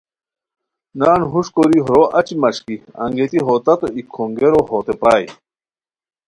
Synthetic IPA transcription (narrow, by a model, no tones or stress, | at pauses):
naːnɦuʂkoɾiɦɾoʔɐt͡ɕimɐʂkiɐ̰ŋɡet̪iɦoːt̪ɐt̪oikʰoŋɡeɾoɦoːt̪epɾaːj